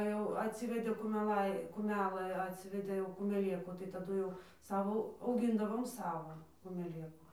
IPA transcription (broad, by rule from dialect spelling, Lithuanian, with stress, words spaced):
jɛʊ ɐtʲˈsʲɪʋʲɛdʲeː kʊmʲɛˈlˠɐɪ kʊˈmʲæːlˠɘ ɐtʲˈsʲɪʋʲɛdʲeː jɛʊ kʊmʲɛˈlʲeːkuː tɐɪ tɐˈdʊ jɛʊ ˈsɑːʋoː ɐʊˈɡʲɪndɐʋoːm ˈsɑːʋoː kʊmʲɛˈlʲeːkʊ